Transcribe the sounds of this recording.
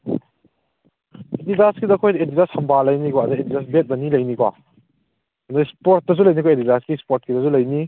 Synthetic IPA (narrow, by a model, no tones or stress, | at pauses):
edidaskidɐkʰojdedidasɐmbalɐjnikwaɐdɐedidas̬bet̚nɐnilɐjnikwa̰ | ɐdɐspoɾt̚dɐzulɐjnikʰojedidaskispoɾt̚kidɐzulɐjni